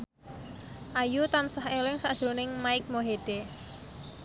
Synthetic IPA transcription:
ʔajut̪ansahelɪŋsad̥ʒ̥ɾunɪŋmaɪk̚moɦeɖ̥e

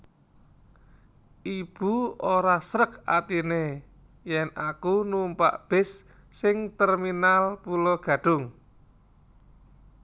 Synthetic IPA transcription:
ʔib̥uoɾasɾəka̰t̪ine | jɛnakunumpa̰ʔb̥ɪ̤sː | ɪŋt̪ərminalpulɔɡ̥ä̤ɖ̥ʊŋ

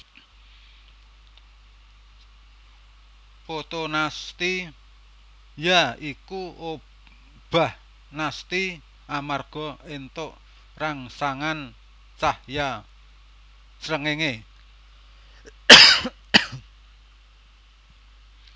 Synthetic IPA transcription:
pot̪onast̪i | jaikuʔo | b̥ah | nast̪i | ʔamarɡ̥ɔ̤ent̪oʔ | raŋsaŋan | t͡ʃahja | sɾəŋeŋe

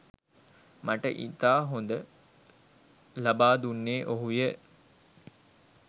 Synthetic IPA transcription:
maʈə̰ʔḭt̪aːɦond̪ə | labaːd̪unːeːʔoɦujə

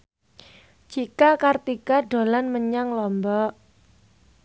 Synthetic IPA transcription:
d͡ʒ̥ikakart̪ikaɖo̤lanməɲaŋlɔmbɔʔ

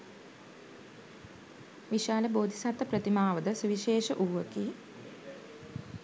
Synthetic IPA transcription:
ʋiʃaːləboːd̪ʱisat̪ːəpɾət̪imaːʋəd̪əsuʋiʃeːʃəʔuːʋʋəkiː

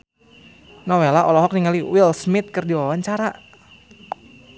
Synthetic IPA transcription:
nɔwelaʔɔlɔɦɔk̚niŋaliwilsmɪt̪̚kərdiwawaɲt͡ʃaɾa

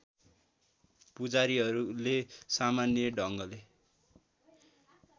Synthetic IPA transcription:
pud͡zaɾiɦʌɾulesamanjʌɖʱʌŋɡʌle

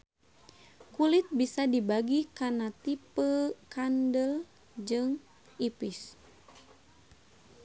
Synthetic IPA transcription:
kulit̪̚bisadibaɡikanat̪ipəkandəl | d͡ʒɨŋ | ipis

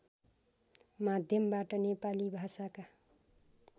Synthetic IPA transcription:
mad̪ʱjʌmbaʈʌnepalibʱasaka

